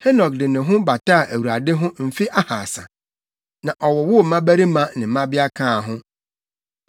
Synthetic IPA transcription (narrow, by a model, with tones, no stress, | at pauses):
he˦nɔ˨kdɪ˨nɪ̃˨ɦʊ̃˦ba˨ta˦˨ʔæ˨wu˨ɾa˨dɪ˦ɦʊ̃˦m̩˨fi˦ʔa˦ha˨sã̰˨ | nã˨ʔɔ˨wɔ˨wʊ˦˨mã˦bæ˦ɾi˦mã˦nɪ̃˨˦mã˦bɪ˦a˦kʰãː˦˨ɦʊ̃˦